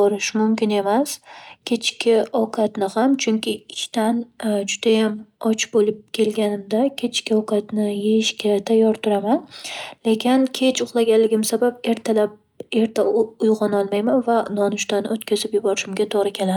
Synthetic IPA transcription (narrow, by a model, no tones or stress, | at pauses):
bɒɾɪʃmʊmkʲɪne̞maskʲʰe̞t͡ʃkʲɪɒwkʰat̪nɪhamt͡ʃʰʊŋkʲɪɪʃt̪and͡ʒʊd̪̥ajamɒt͡ʃbolɪp̚kʲʰe̞lɡʲanɪmd̪akʲʰe̞t͡ʃkʲɪɒwkʰat̪nɪjejɪʃkʲat̪ʰajːɒɾt̪ʰʊɾamanle̞kʲɪnkʲʰe̞t͡ʃʰʊχlˠaɡʲanlɪɡʲɪmsabap̚e̞ɾt̪ʰalap̚ | e̞ɾt̪ʰaʊjʁɑnɒlˠmajmanvanɒnʊʃt̪anot̪kʲʰazɪpjʊbɒɾɪʃɪmɡʲat̪ʰoʁɾɪkʲʰe̞la